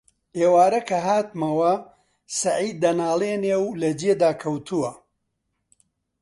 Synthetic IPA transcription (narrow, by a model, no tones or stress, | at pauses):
ʔeːwaːɾɐkʰɐɦaːt̪mɐwɐ | sɐʕiːd̪ːɐnaːlˠeːnewlɐd͡ʒed̪aːkʰɐwt̪ʰuwɐ